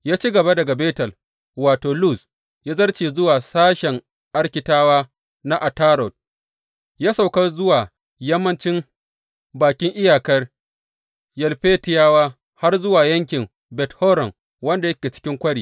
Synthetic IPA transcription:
jaː˦t͡ʃi˦ɡɐ˨ba˦dɐ˨ɡa˨beː˦tɐ˨l | waː˨toː˨lu˦˨s | jaː˦zɐ˦rt͡ʃeː˨zʊ˦waː˨saː˦ʃɛ˨ŋ | ʔa˦rkʲɪ˨taː˦waː˦ | na˦ʔa˨taː˦ɾɔ˨d̚ | jaː˦sa˨wkɐ˦rzʊ˦waː˨ | jɐ˦mːɐ˦nt͡ʃɪ˦m | baː˨kʲɪ˦ŋʔɪ˦jaː˨kɐ˦r | jɐ˨lɸeː˦tɪ˨jaː˦waː˦ | ha˦rzʊ˦waː˨jɐ˦ŋkʲɪ˨m | bɛ˨thɔː˦ɾɐ˨ŋ | wɐ˦nda˨jɐ˦kʲeː˨t͡ʃɪ̥˦kʲɪ˦ŋkʷɐ˦ɽiː˨

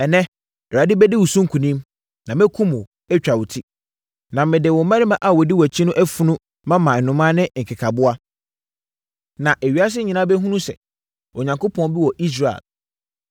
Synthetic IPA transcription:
ɛ˨nɛ̃˦˨ | ɾa˨dɪ˦bɛ˦dɪ˦wu˨sũ˦ŋ̩˦kʰũ˨nĩ˦m | nã˨mɛ̃˦kʰũ˦mʊ̃˨ | ɛ˦t͡ɕᶣa˨wʊ˨tʰi˦ | nã˨mɪ̃˨dɪ˨wɔ˨˦mã˦nĩ˦mã˦˨ʔa˨wɔ˨di˦wt͡ɕʰi˦nʊ̃˦ʔæ˦fu˦nʊ̃˦ | mã˦mã˨n̩˨nʊ̃˨mã˦nɪ̃˦ŋ̩˨kʰɪ˨kʰa˨bʊ˦a˦ | nã˨ʔe˨ɥi˨˦a˦s̬ɪ˦ɲĩ˨nã˦bɛ˦ɦũ˦nũ˦sɛ̰˨ | ɔ˨ɲã˨ŋko˦pʰɔ̃˦n˦bi˦wɔ˨ʔi˦s̬ɾa˨ḛ˨l

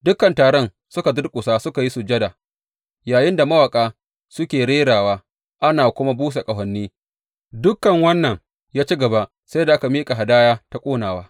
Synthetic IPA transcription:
dʊ˦kːɐ˨ntaː˨ɽɔ˦n | sʊ˦ka˨dʊ˦rkʷʼʊ˨saː˦sʊ˦ka˨ji˦su˨d͡ʒɐ˦da˨ | jaː˨jɪ˦nda˨mɐ˦wɐ˨kʼaː˦ | sʊ˦kʲeː˨ɽeː˦ɽaː˨waː˦ | ʔa˦naː˨kʷʊ˦ma˦buː˦s̬a˨kʼɐ˨ɦɐ˨nːiː˦ | dʊ˦kːɐ˨ŋwɐ˦nːɐ˨ŋ | jaː˦t͡ʃi˦ɡɐ˨ba˦ʔ | sa˦jda˨ʔa˦ka˨miː˦kʼa˨ɦa˨daː˦jaː˦ta˦kʷʼoː˦naː˨waː˦

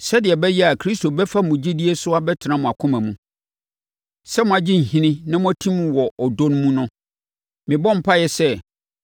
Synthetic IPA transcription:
sɛ˦dɪ˨ɛ˨bɛ˦jɛ˦a˨kʰɾi˦sto˨bɛ˦fa˦mʊ̃˨d͡ʑi˦di˦e˦sʊ˦a˦bɛ˦tʰɪ˨nã˦mʊ̃˨a˨kʰʊ̃˦mæ̃˨mũ˨ | sɛ˦mʊ̃˨a˨d͡ʑi˦ŋ̩˨hĩ˦nɪ̃˦nã˦mʊ̃˦æ˦tʰĩ˦mũ˨wɔ˨ɔ˨dõ˦ñ˦mũ˦nʊ̃˦ | mɪ̃˨bɔ̃˦m̩˨pʰa˦jɛ˨sɛ˦

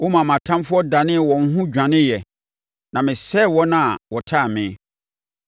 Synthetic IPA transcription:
wɔ˦mã˨mã˨tʰã˦mfʊ˦ɔ˦da˨nɪ̃˦˨wɔ̃˨ŋ̩˦ɦʊ̃˦d͡ʑᶣã˨nɪ̃˦jɛ˨ | nã˨mɪ̃˨sɛ˦˨wɔ˦nã˦a˨wɔ˨tʰa˦˨mɪ̃˨˦˨

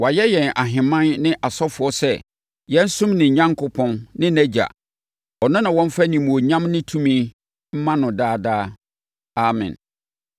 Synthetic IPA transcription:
wa˨jɛ˦jɛ̃˨na˨ɦɪ̃˨mã˦nnɪ̃˦ʔa˨sɔ˦fʊ˨˦ɔ˦sɛ˦ | jɛ̃˦n̩˦sʊ̃˦mnɪ̃˨ɲã˦ŋkʰʊ˦pʰɔ̃˦nnɪ̃˦næ˦d͡ʑa̰˨ | ɔ˨nʊ̃˦nã˨wɔ̃˦m˦fa˦nĩ˨mũ˨o˨ɲã˦mnɪ̃˦tʰũ˦mĩ˦ | m̩˦mã˦nʊ̃˨daː˦˨daː˦ | a˨mɛ̰̃˨n

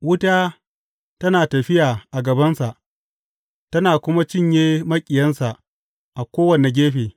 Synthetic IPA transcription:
wʊ˦ta˦ | tɐ˦naː˨tɐ˨ɸɪ˦jaː˨ʔa˨ɡɐ˨bɐ˦nsa˨ʔ | tɐ˦naː˨kʷʊ˦ma˦t͡ʃɪ˦ɲjeː˦mɐ˦kʲʼɪ˨jɐ˦nsa˨ʔ | ʔa˨kʷoː˦wɐ˨ne˨ɡʲeː˦ɸeː˨

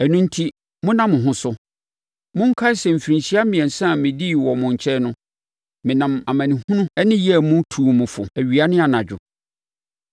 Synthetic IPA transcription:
æ˨nũ˦n̩˦tʰi˦ | mʊ̃˦nã˦mʊ̃˨ɦʊ̃˦sʊ˦ | mʊ̃˦ŋ̩˦kʰa˦sɛ˨m̩˨fi˨ɾĩ˨ɲɕi˦a˦mĩ˨ɛ̃˨n˨sã˦˨mɪ̃˨di˦˨wɔ˨mʊ̃˨ɲ˨t͡ɕʰɛ˦nʊ̃˦ | mɪ̃˨nã˨ma˨mã˨nĩ˨hũ˦nũ˦ɛ˦nɪ̃˦jɛ˦˨mʊ̃˦tʰuː˨mʊ̃˨fʊ̰˨æ˨ɥi˨a˦nɪ̃˦a˨nã˨d͡ʑᶣʊ̰˨

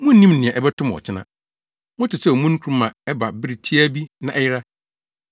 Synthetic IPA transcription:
mʊ̃˦n̩ː˦nĩ˦mnɪ̃˨ɛ̃˨ʔɛ˦bɛ˦tʰʊ̃˦mɔ̰˨t͡ɕʰɪ˦nã̰˨ | mʊ̃˦tʰɪ˨sɛ˦˨mũ˦n̩˦kʰu˦ɾmã˨ɛ˦ba˨bɪ˦ɾɪ˨tʰi˦æ˦bi˦nã̰˨ʔɛ˦jɪ˦ɾa˦

